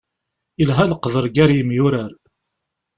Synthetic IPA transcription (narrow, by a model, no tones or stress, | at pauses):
ilɦælqðəɾˤɡæɾjəmjʊɾəɾ